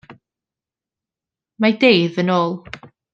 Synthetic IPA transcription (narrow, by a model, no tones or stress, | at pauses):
madejðənoːlˠ